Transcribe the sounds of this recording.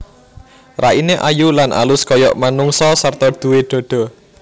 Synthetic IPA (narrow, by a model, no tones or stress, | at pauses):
raʔineʔajulanʔa̰lʊskɔjɔ̰ʔmanuŋsɔsart̪ɔd̪̥ṳweɖ̪̥ɔ̤ɖ̥ɔ̤